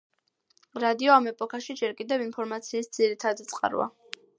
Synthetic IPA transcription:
ɾad̪iɔamɛpʼɔkʰaʃid͡ʒɛɾkʼid̪ɛvinpʰɔɾmat̪sʰiːsd̪ziɾit̪ʰad̪it̪sʼqʼa̰ɾwa̰

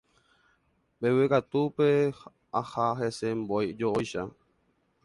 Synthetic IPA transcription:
bewekat̪upe | ahaɦesembojd͡ʒoʔojʃa

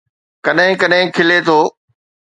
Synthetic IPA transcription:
kɐɗɦɪ̃kɐɗɦɪ̃kʰɪlet̪ʰoː

